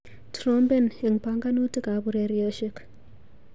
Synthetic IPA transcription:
tɾɔ˦mbe˦˨ne˨ŋpa˦ŋɡa˦nu˦ti˦ka˨˦bu˨ɾe˨ɾi˦o˦ʃi˦k

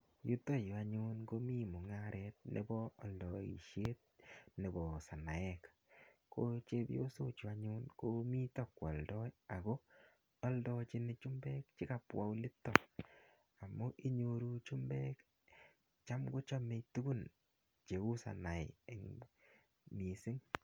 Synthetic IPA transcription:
ju˦to˦ja˨ɲu˦nɡo˦mi˦mu˨ŋa˦ɾʔɛt̚nʔḛ˦bɔ˦ɔ˨ldɔ˨ḭ˨ʃje˦t̚ne˨bɔ˨sa˨na˨ɛ˦k | ko˦t͡ʃe˦bjo˦so˦t͡ʃu˨a˦ɲunko˦mi˦tɔ˦kːwɔ˨ldɔ˦ja˨ɡo˦ | ɔ˦ldɔ˧t͡ʃi˦nɪ˨t͡ʃu˦mbɛ˦k̚t͡ʃi˦ka˨pwa̰˦u˦lɪ˦tːɔ˨ | a˨mːo˦ʔi˦ɲo˧ɾu˦t͡ʃu˦mbɛ˦k | t͡ʃa˦mɡo˦t͡ʃɔ˦me˨tu˦ɡu˦n | t͡ʃe˨wu˦sa̰˨na˨ɪe˨ŋ | mi˨sɪ˦ŋ

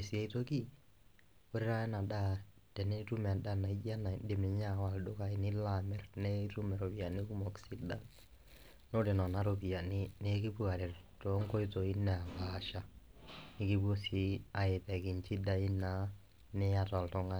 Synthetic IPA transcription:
e˨si˨a˦ito˦ki˦ | o˦ɾi˦ɾa˦ɛ˦na˨da˦ | tɛ˨ne˦tu˦m˨a˨da˦˨na˨i˦d͡ʒa˦na˨de˨me˨ɲa˦˨wa˨ldo˦ka˦i˨nɪ˦la˨mɛ˦rnɛ˦tu˦mɛ˨ɾo˨pi˨a˨ni˦ku˦mɔ˨ksi˦da˦ | no˦de˨nɔ˨na˨˦ɾo˨pi˨a˨ni˦ne˦ki˦pu˦a˨ɾe˨ɾto˨˦ŋko˦ito˨i˦nɛ˨a˨ka˨ʃa˨ | nɪ˦ki˦bu˦o˦si˦a˨e˨pɛ˨ki˨nt͡ʃi˦da˨i˦na˨˦ | ne˦a˦tɔ˨ltɔ˦ŋa˦

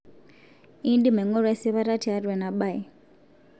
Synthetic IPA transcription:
i˦ndi˦mɛ˨ŋɔ˦ɾe˦si˦βa˦ɾa˦ti˨a˦rwe˨na˨ɓa˦˨i˨

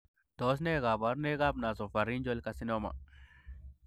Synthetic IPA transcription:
t̪o˨˦s̬ne˦ɣa˨ba˨˦ɾne˦ɣa˦bna˨so˨fa˨ɾi˦nd͡ʒo˦lka˧si˦no˦ma̰˨

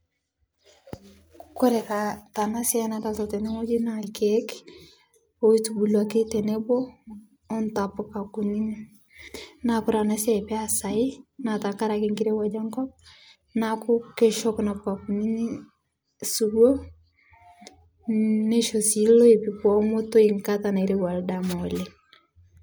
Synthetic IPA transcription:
kɔ˦ɾɛ˨ka˨ta˨na˦sja˦nata˨tɔ˨tɛ˨ne˦ŋo˦d͡ʒi˦nalke˦k | o˦i˦tubu˨lwa˨ke˦tɛ˨ne˦boː˦ | nta˨pʊ˨ka˨ku˨ni˦ni˦ | na˨kʊ˦ɾa˨na˦sja˦˨pɛ˦a˨sa˨ɪ˦na˨ta˨ka˦ɾakeŋɡi˦ɾe˦wa˨d͡ʒa˦ŋkɔ˦p̚ | nakʊ˦ke˨ʃɔ˦kna˨pka˨kuni˦ni˦ | su˨ɡo˦ | ne˦ʃo˨si˦lo˦e˨pikwɔ˦mo˦to˦iŋkatana˨e˨ɾewa˨ldamɔle

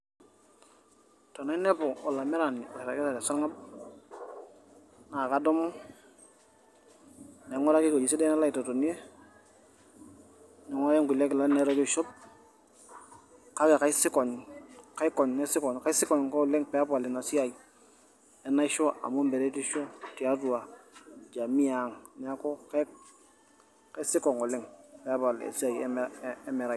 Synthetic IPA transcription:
to˨na˦nɛ˦po˨o˨la˨mɛ˦ɾa˨ni˨o˨ɾa˨kɛ˦sa˨ɾe˨sa˦ŋa˦b̚ | na˨ka˨˦do˦mɔ˦ | ne˨ŋo˦ɾa˦ki˦ko˨d͡ʒi˨s̬i˦de˦na˦la˦i˨to˨to˨ni˦e˦ | ni˨ŋo˦je˦ŋɡu˨le˦kɪ˨la˦ne˨˦ɾo˦d͡ʒo˦ʃo˦p̚ | ka˦ke˨ka˦i˦si˦ko˨nka˦i˦ko˨nne˦si˦kɔ˨nka˦i˦si˦ko˨nko˦˨lɪ˦ŋpe˨a˦pa˨le˨na˨si˦a˨ji˨ | e˨na˦i˦ʃo˦a̰˨mo˦mbe˨ɾe˦ti˦ʃo˦ti˨a˦tu˨a˨d͡ʒa˨mi˦a˨ŋnɛ˨a˦ko˦ke˦ | ka˦i˦si˦ko˨ŋo˨le˦ŋpe˨a˦pa˨l̰ḛ˨si˦a˨jme˨ɾa˨

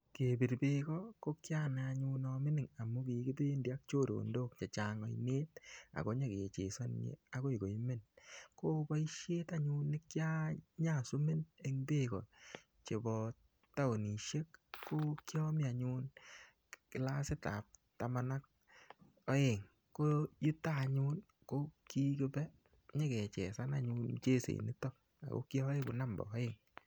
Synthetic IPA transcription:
ke˨bi˨ɾbe˦kɔ˦ko˦kja˦na˨a˨ɲʊ˦nɔmɪ˦nɪ˨ŋa˨mʊ˦ki˨ki˦tu˦e˦ndi˨a˦k̚t͡ʃo˦˨ɾo̰˨ndo˦k̚t͡ʃa˨t͡ʃa˨ŋɔ˨ḭ˨neː˦ta̰˨ko˦ɲa˦ke˨t͡ʃe˨sɔ˦nɲḛa˨ko˦i˨ɡo˨i˦me˦nkoː˦ba˦i˦ʃe˦ta˦ɲʊ˦nːɪ˦kja˦ɲa˦˨su˦me˦ne˨˦ŋbe˦kɔ̰˨ | t͡ʃe˨bɔ˨ | ta˦wo˨ni˨ʃe˦kkːo˦kjɔ˦mɪ˦a˨ɲu˦n | kɪ˨la˦sɪ˦ta̰˨p̚ta˨ma˧na˦k̚ | ɔ˦je˨ŋ | ko˦ji˦taː˦˨ɲʊ˦n | ko˦ki˦kɪ˦pɛ˦ | ɲe˦kɛ˨t͡ʃɛ̰˨sa˦na˦ɲu˧n˨t͡ʃe˦sḛ˨ni˦tɔ˦ | a̰˨ko̰˦ki˦ɔ˦e˦ku˨na˦mbɔ̰ː˨˦e˨ŋ

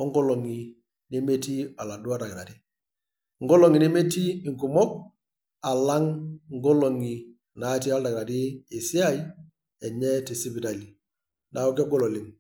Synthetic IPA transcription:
ɔ˦ŋɡo˦lo˨ŋi˨ | ne˦me˦ti˦a˨la˨du˦a˦da˨kɪ˨ɾa˨ti˦ | ŋ˦ɡo˦lo˨ŋi˨ni˦me˦ti˦i˨ŋku˨mɔ˦k̚ | a˨la˦ŋŋ˦ɡo˦lo˨ŋi˨ | na˨˦ti˦a˦lda˨ɡɾa˨tiː˦˨si˦a˦i˦ | ɛ˨ɲɛ˦ti˨si˦bi˨da˨li˨ | na˨o˦kɛ˦ɡo˦˨lo˨li˨ŋ

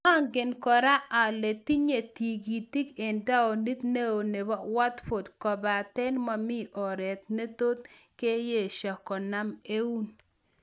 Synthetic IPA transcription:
a˦˨ŋɡɪ˨nkɔ˨ɾa˦ʔa˨le˨t̪i˦ɲe˨ti˨ɡi˨ti˦ke˨nda˦o˨ni˦t̪ne˦o˨ne˨ba˦wa˦t̪fo˨dkɔ˨ba˨tɛ˦nma˨mɪ˦ʔɔ˨ɾɛ˨t̪̚ne˦t̪o˦t̪̚ke˦je˦˨ʃa˨kɔ˨na˦me˦u˦n

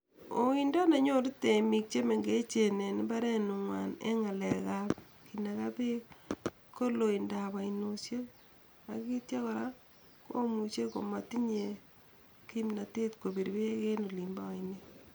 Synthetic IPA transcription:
o˨wi˦nda˦na˨ɲo˦ɾu˦te˨mi˨k̚t͡ʃe˦me˨ŋɡe˦t͡ʃe˨ne˨ni˦ba˦ɾe˦nu˨ŋwa̰˨nḛ˦ŋa˨leka˦p | ki˨na˨ka˦pe˦ | ko˦lo˨i˨nda˨βa˨inu˨sje˦ | a˨ki˦tja˦kɔ˨ɾa˦ | ko˦mu˨t͡ʃe˦ko̰˨ma˨ti˦ɲe˨ | ki˦mna˨te˦tko˨bi˨ɾbe˦ke˦no˨li˨mba˦a˨ine˦

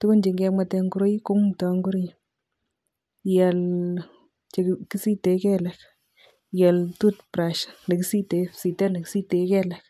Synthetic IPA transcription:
tu˦bo˦nd͡ʒi˨ŋɡɛ˧ma˧tɛ˧ŋɡu˦ɾo˦jko˦ŋtɔ˨˧ŋɡu˦ɾi˦j | jɛ˨l | t͡ʃe˨ki˦si˦te˨˦kɛ˦lɛ˨k | jɛ˨ltu˦tpɾa˨ʃne˨ki˦si˦te˨˦si˨tɛ˦ne˨ki˦si˦te˨kɛ˦lɛ˨k

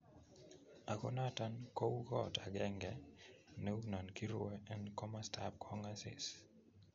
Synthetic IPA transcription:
a˨kɔ̰˦na˦ta˦nko˦u˦ɡɔ˦ta˨ɡɛ˦ŋɡɛ˨nɛ˦u˦na˨nki˦ɾʊ˦ɛ˦ɛ˦nkɔ˦ma˦stʰap̚kʰɔ˦ŋa˦sɪ̰˨s

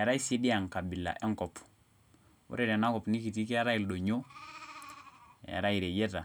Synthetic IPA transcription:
ja˨ɾa˦i˦se˦di˦a˨ŋka˨bi˨la̰˨ʔɛ˦ŋkɔ˨p | ṵ˦ɾɛ˨ɾɛ˨na˦kɔ˨pni˦ki˨ti˦kɛ˦ja˦ɾa˦i˨lɗɔ˨ɲo˦ | jja̰˨ɾa˦i˨ɾɛ˨jɛ˦ta˨

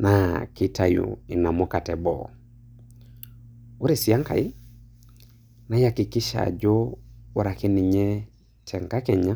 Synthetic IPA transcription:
na˨ki˦ta˨jṵ˨i˨na˨mɔ˦ka˨tɛ˨bɔ̰˨ | o˦ɾe˨si˨a˦ŋka̰˨i˦ | na˦ja˨ki˨kɪ˦ʃa̰˨d͡ʒoː˦ɾa˨ki˦ni˨ɲɛ˦ | tʰɛ˨ŋka˦kɛ˨ɲa˦

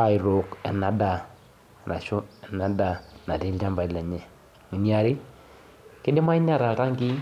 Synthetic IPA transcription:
a˨ɪ˨ɾʊ˨kɛ˨na˨da˨ | na˨ʃʊ˦ɛ˨na˨da˨na˨ti˨˦ld͡ʒa˦mba˨˦lɛ˨ɲɛ˨ | ŋi˨ni˦a˨ɾɪ˦ | kɪ˦dɪ˦ma˦ɪ˦n˦a˦˨ɾa˨ka˦ŋki˦

